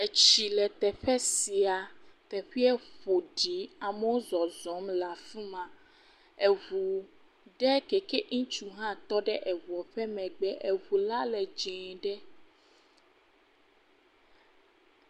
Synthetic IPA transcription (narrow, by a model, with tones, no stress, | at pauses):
e˨t͡ɕi˨lɛ˨t̪ɛ˨ɸɛ˦si˨a˨t̪ɛ˨ɸi˦ɛ˦ɸo˨ɖi˨˦a˨me˦wo˦zɔ˨zɔ˨˦mla˨fĩ˦mã˨ | e˨ɣu˨ | ɖɛ˦kɛ˨ke˦ʔŋ̩̃˦t͡ʃu˨ɦã˦t̪ɔ˦ɖɛ˦ʔɛ˨vu˨ɔ˨ɸɛ˦mɛ̃˨ɡ͡bɛ˦ʔe˨βu˨la˦lɛ˨d͡ʒɛ̃˨ɖɛ˦